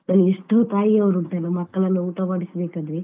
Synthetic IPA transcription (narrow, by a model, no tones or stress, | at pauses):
nɐːnueʂʈɐːt̪aːjiɐʋɐɾuɳʈ̪ɐlɐmɐkːɐɭɐnːuuːt̪ɐmaːɽisɐbeːkaːd̪ɾe